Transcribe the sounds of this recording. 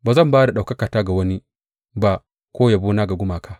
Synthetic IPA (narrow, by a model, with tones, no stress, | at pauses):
baː˨zɐ˦˨mbaː˦da˨ɗa˨wkɐ˦kaː˨taː˦ɡa˨wɐ˦ni˦ | ba˦ | kʷoː˦ja˨buː˦naː˦ɡa˨ɡʷʊ˦maː˨kʰa˨